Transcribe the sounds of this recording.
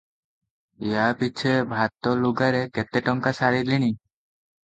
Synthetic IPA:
ijapit͡ʃʰebʱat̪ɔluɡaɾɛkɛt̪ɛʈɔŋkasaɾiliñi

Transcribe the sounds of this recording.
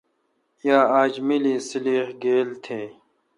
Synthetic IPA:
jaːaːd͡ʑmiliːsiliːhɡeːlt̪ʰeː

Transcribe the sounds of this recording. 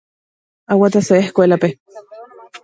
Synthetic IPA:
awat̪aseehkoelape

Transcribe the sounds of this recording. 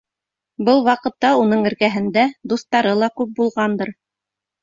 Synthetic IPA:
bɤlˠwɑqɤ̆t̪ːɑun̪ɤɴɘ̆ɾkæɦɘ̆nd̪æd̪ust̪ɑɾɤlˠɑkʉp̚bulˠʁɑnd̪ɤɾ

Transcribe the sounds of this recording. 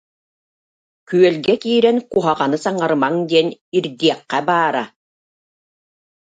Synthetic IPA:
kyœlɡɛkiːɾɛnkuɦaʁanɯsaŋaɾɯmaŋd̪iɛniɾd̪iɛqːæbaːɾa̰

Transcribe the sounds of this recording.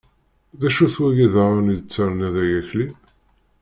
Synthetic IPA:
ðæʃuθwæjiðaɾˤanid̪t͡sːaɾˤnæðæjæçli

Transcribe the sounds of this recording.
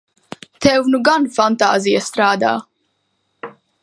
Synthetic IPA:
t̪ɛwnuɡanfant̪aːzijast̪ɾaːd̪a̰ː

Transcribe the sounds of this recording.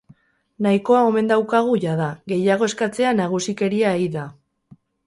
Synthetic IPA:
naiko̞ao̞me̞nd̪awkaɣ̞uʝaðaɣe̞jaɣ̞o̞e̞skat͡se̞anaɣ̞usike̞ɾiaiða

